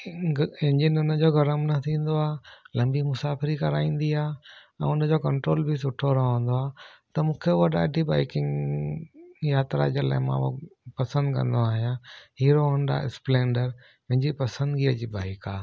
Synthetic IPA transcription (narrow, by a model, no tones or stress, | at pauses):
ɪ̃ɲd͡ʑɪnʊnəd͡ʑoːɡʱɐɾəmnɐt̪ʰĩːn̆d̪oaːlɐ̃mbimʊsaːfɪɾikɐɾaːĩːn̆d̪iaː | ɛ̃ːʊnəd͡ʑokɐ̃ɳʈɾoːlbʱisʊʈʰoɾɐɦə̃n̆d̪oaːt̪ɐmũːkʰeʋɐɗa̰ɖʱibaːɪkɪ̃ŋɡ | jaːt̪ɾa̰d͡ʑəla̰ːɦɪmã̰ːopɐsə̃nd̪kɐ̰̃nd̪oaːɦijãɦiːɾoɐ̃nd̪a̰ɪ̰splẽːɳɖəɾ | mɐ̃ɦɪ̃ɲd͡ʑipɐsə̃nd̪ɡiːəd͡ʑiːbaːɪkaː